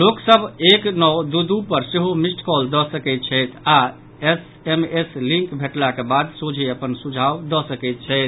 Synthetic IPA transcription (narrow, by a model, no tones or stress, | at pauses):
loksəbʱeknɔwd̪ud̪upəɾseɦomisʈkɔld̪ɔsəkɛjt̪̚t͡ʃʰəjt̪ʰa | es | emeslĩŋkbʱeʈlakebad̪sod͡ʒʱeəpənsud͡ʒʱawd̪ɔsəkɛɪt̪̚t͡ʃʰəɪt̪̚ʰ